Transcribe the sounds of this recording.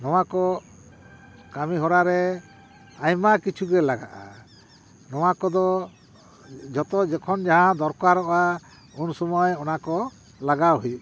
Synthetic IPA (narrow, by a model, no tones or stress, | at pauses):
nɔwakɔ | kamiɦɔɾaɾɛ | ajmakit͡ʃʰuɡɛlaɡaʔa̰ | nɔwakɔd̪ɔ | d͡ʒɔt̪ɔd͡ʒɛkʰɔnd͡ʒaɦãd̪ɔɾkaɾɔʔa | unsɔmɔjɔnakɔ | laɡaɾɦui